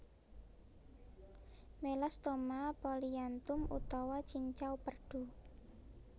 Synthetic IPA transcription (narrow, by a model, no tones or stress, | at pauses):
melɛst̪omapɔliant̪ʊmṵt̪ɔwat͡ʃiɲt͡ʃawpərɖ̥ṳ